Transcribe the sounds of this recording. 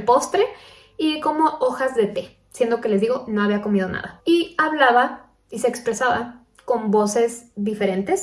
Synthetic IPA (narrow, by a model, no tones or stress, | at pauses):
po̞st̪ɾe̞ | iko̞mo̞ʔoxazðe̞t̪e̞ | sje̞nd̪oke̞lezðiɣo̞no̞aβ̞iako̞mið̞o̞na̰ðaiaβlaβa | ise̞ːkspɾe̞saβa | ko̞mbo̞se̞zðife̞ɾe̞nt̪es